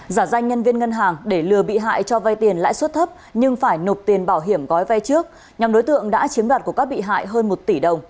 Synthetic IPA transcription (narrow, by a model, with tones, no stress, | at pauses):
zaː˧˩za˧jŋ̟ɲə˧nvi˧ənŋə˧nɦaː˨˩ŋɗe˧˩lɨ˨˩əɓḭ˧˨ɦa̰ː˧˨jt͡ɕɔ˧va˧jt̪i˨˩ənla̰ː˧˥jswə˦˥t̚t̪ʰə˦˥p̚ɲɨ˧ŋfaː˧˩jno˨˩p̚t̪i˨˩ənɓaː˧˩wɦi˧˩əmɣɔ˨˦jva˧jt͡ɕɨ˦˥ək̚ | ɲa˨˩mɗo˨˦jt̪ɨ̰˧˨əŋɗa̰ː˧˥t͡ɕi˨˦nɗwaː˨˩t̚ku˧˩əkaː˦˥k̚ɓḭ˧˨ɦa̰ː˧˨jɦəː˧nmo˨˩t̚t̪i˧˩ɗə˨˩wŋ͡m